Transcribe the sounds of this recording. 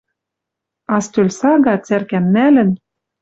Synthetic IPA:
ɑst̪ølʲsɑɣɑt͡særkæmːælɘ̆n

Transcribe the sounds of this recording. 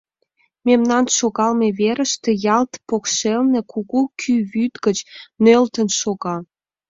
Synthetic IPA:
memnɑnʃoɣɑlmeβeɾəʃt̪ejɑlt̪pokʃelnekʰuɣukʰyβyt̪ɡət͡ɕnølt̪ənʃoɣɑ

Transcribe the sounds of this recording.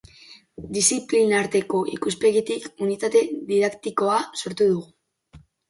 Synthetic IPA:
d̪isiplinaɾt̪e̞ko̞ʔikuspe̞ɣit̪ikunit̪at̪e̞ðiðakt̪iko̞aso̞ɾt̪uð̞uɣu

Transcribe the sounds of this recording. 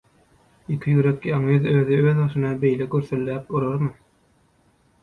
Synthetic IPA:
ikʲʰijyɾekɑŋyðøːðiøːðbɑʃɯnɑbejlɛkʲøɾθylːæːpoɾoɾmɯ

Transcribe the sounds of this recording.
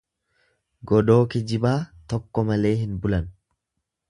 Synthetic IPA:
ɡɔd̪o̞ːkɪd͡ʒɪbaːt̪ɔkːɔmɐle̞ːɦɪnbʊlɐn

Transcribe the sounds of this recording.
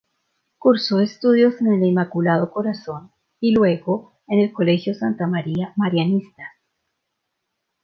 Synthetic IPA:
kuɾso̞est̪uðjo̞senelimakulað̞oko̞ɾaso̞n | ilwe̞ɣo̞ | ene̞lko̞le̞xjo̞sant̪amaɾiamaɾjanist̪ḁ

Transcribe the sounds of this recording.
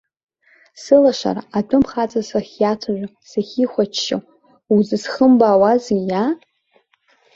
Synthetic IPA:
sɨlaʃa̰ra̰adʷʰʼʊmχat͡sʼasaχʲjat͡sʷʰaʒᶣʷa | saχʲiχʷat͡ʃʰʃa̰ | uzɨsχəmbaːwazija

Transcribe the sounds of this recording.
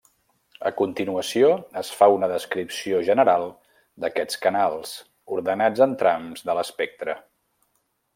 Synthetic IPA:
ə̰kunt̪inuəsioəsfaunəðəskɾipsioʒənəɾalˠ | d̪əkɛt͡skənalˠs | uɾðənad͡zənt̪ɾamzðələspɛk̚t̪ɾə

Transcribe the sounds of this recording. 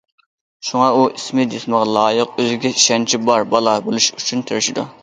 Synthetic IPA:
ʃuŋɑuʔismɪd̪esməʁɑlˠɑːjəqøzɪɡʲɛiʃɛnt͡ʃʰibɑɾbɑlˠɑbolˠuʃyt͡ʃʰynt̪ʰeɾɪʃɪd̪u

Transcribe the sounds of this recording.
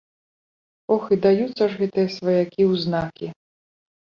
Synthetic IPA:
ɔxɨd̪ajut̪sːɐʐɣɛt̪ɨjɐsvɐjakʲiwznakʲi

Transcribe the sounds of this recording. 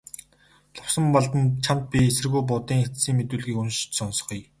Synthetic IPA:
ɮʊwsə̆mpɔɮt̪ə̆nt͡ɕʰamt̪̚pʲiesɘ̆rɣujp̬ʊt̪iːŋxet͡s̪siːŋmet̪uːɮɣiːkɵnʃ̆t͡ɕsɔnsɞ̥̆χij

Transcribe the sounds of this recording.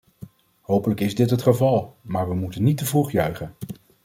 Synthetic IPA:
ɦowpələkɪzdɪtɦətχəvɑlˠmaːɹʋəmutənːitəvruχjœɥχən

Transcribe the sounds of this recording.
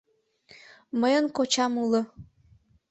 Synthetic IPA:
məjənkot͡ɕɑmulə̆

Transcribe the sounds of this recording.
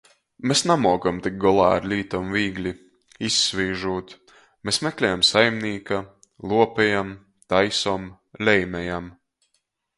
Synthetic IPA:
mesnamuɔɡamt̪ik̚ɡɔlˠa̰ːɾlʲiːt̪ɔmviːɡlʲi | isːvʲiːʒuːt̪ | mesmekʲlʲɛjamsajmniːka | lˠuɔpɛjam | t̪ajsɔːm | lʲɛjmʲɛjam

